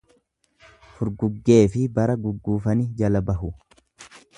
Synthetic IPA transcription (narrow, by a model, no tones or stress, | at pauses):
fʊɾɡʊɡːe̞ːfɪbɐɾɐɡʊɡːuːfɐnɪd͡ʒɐlɐbɐɦʊ